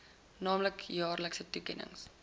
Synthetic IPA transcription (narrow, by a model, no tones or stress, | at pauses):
nɑːmləkjɑːrləksətukɛnə̰ŋs